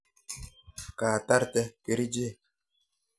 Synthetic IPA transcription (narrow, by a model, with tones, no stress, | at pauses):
kaː˨ta˦ɾtɛ˦ke˨ɾi˦d͡ʒe˦˨